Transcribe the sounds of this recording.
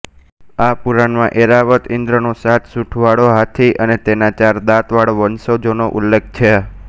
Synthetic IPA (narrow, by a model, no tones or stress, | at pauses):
apuɾanmãʔeɾaʋət̪ɪnd̪ɾənosat̪ʰsuʈʰʋaɽoɦat̪ʰiʔənet̪enat͡ʃaɾd̪at̪ʋaɽoʋənsod͡ʒonoʔulːek̚ʰt͡ʃʰe